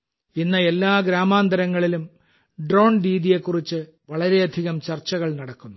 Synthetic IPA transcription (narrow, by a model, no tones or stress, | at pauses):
inːɐe̞lːaːɡɾaːmaːnd̪ɐɾɐŋːɐɭilum | ɖro̞ːɳɾiːðije̞kːurit͡ɕːɨ | ʋɐɭɐɾe̞ɐd̪ʱiɣɐmt͡ɕɐrt͡ɕːɐɣɐɭnɐɽɐkːunːu